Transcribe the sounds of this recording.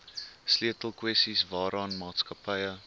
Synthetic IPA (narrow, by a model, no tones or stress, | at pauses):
sliətəlˠkwɛstisvɑːɾʔɑːnmɑːtskɐpəjə